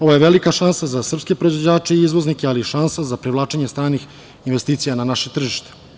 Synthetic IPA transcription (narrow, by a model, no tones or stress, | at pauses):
o̞ʋojeʋelikaʃansazasr̩pske̞pɾoizʋod͡ʑaːt͡ʃeiizʋoznikʲealiʃansazapɾiʋlˠaːt͡ʃeɲest̪ɾaːnix | inʋest̪iːt̪sijananaʃe̞t̪r̩ʒiʃt̪e̥